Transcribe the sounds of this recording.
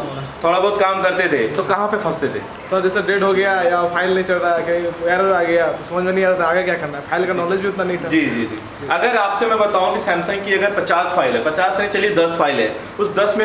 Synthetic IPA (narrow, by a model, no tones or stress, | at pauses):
t̪ʰoːɽabɔːt̪̚kaːmkɐɾt̪ed̪ʰḛːt̪okɐɦãpefʰɐst̪ed̪ʰḛː | səɾd͡ʒɛseɖeːɖɦoɡɐjajapʰaːɪlnɐɦĩt͡ʃɐlɾakeiʋɛːɾaːɡɐjasɐ̃məd͡ʒmẽnɐɦĩaat̪aːɡakjaːkɐɾnaɦɛpʰaːɪlkanɔːled͡ʒbʱiʊt̪nanɐɦĩt̪ʰad͡ʒiːd͡ʒiːd͡ʒiːd͡ʒiɐɡəɾaːpsemɛ̃bɐt̪aːɦũkisɛ̃ːmsə̃ŋkiɐɡəɾpɐt͡ʃaːsfʰaːɪlɦɛpɐt͡ʃaːsmẽt͡ʃɐlied̪ɐsfʰaːɪlɦɛ̰ː | ʊsd̪ɐsmẽ